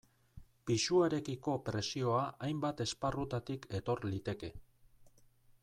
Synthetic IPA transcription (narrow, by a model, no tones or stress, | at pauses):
pisuaɾe̞kiko̞pɾe̞sio̞aʔajmbat̪e̞sparut̪at̪ikʰe̞t̪o̞ɾlit̪e̞ke̞